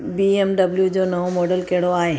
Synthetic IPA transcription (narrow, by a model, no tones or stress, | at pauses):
biːemɖɐbljud͡ʑoːnɐʋomɔːɖəlkɐɦɪɽoaːɦeː